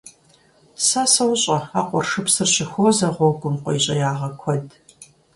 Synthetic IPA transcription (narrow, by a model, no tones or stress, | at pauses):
saːsɐwɕʼɐaːqʷʼɔrʂɨpsɨrɕɪxʷoːzɐʁʷɔɡʷʊmqʷɔjɕʼɐjaːʁɐkʷʰɔd